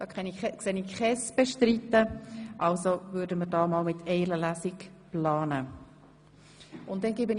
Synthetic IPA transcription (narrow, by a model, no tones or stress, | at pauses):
d̥ɑkχɛniɛksenɪkχɛsb̥eʃtɾitːəʔɑlsovʏːɾdəməɾdɑːmɑːlmɪtʰɛɪləlæsɪk | plɑːnə | ʊntdɛnɡeːbən